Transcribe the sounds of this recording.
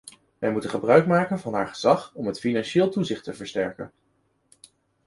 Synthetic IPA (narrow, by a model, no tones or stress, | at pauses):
ʋɛjmutənχəbrœɥkmaːkənvɑnɦa̰ːɹχəz̥ɑχɔmɦətfinɑnʃɪːlˠtuzɪχtəvəɹstɛɹkə̰n